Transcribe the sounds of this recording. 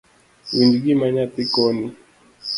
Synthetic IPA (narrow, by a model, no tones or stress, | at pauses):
wind͡ʒiɡimaɲat̪ikɔni